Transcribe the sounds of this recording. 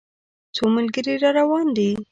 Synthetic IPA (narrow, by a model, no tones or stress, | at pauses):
t͡somalɡəɾiɾɑɾawɑnd̪i